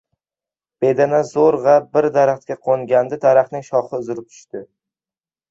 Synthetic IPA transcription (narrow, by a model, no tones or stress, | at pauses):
b̥e̞d̪anazoɾʁabɪɾd̪aɾaχt̪̚kʲaqʰoŋɡʲand̪ɪd̪aɾaχt̪nɪŋʃɒχɪʊzɪɾɪp̚t̪ʰʊ̥ʃt̪ɪ